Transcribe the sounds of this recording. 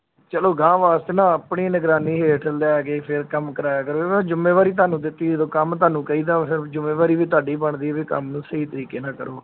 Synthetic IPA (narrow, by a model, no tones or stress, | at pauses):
t͡ʃəloːɡãːʋaːst̪eːnãːəpɳiːnəɡɾaːniːɦeːʈʰəld̪aːɡeːpʰɪɾkəmkəɾaːjaːkəɾoːd͡ʒʊmeːʋaːɾiːt̪ʊaːnũːd̪ɪt̪ːiːd̪oːkəmt̪̬aːnũːkəiːd̪aːpʰɪɾd͡ʒʊmẽːʋaːɾiːʋiːt̪̬ʊaːɖiːbəɳd̪iːɛːʋiːkə̰mnũːsəiːt̪əɾiːkeːnãːkə̰ɾoː